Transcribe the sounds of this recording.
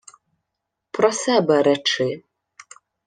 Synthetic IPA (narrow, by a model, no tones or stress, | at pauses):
pʰrɔsɛbɛɾɛʈ͡ʂʰɪ